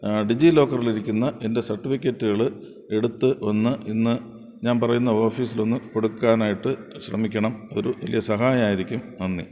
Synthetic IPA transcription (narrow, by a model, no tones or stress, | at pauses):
ɖid͡ʑilo̞ːkːɐriliɾikʲːunːɐʔe̞nde̞sɐrʈːifikʲːɐtːuɣɐɭɨ | e̞ɽut̪ːɨonːɨʔinːɨ | ɲaːnpɐrɐjunːɐo̞ːfiːsilo̞nːɨko̞ɽukːaːnaːjiʈːɨɕrɐmikʲːɐɳɐmo̞ɾuʋɐ̰lijɐsɐɦaːjɐmaːjiɾikʲːumʋɐnːḭ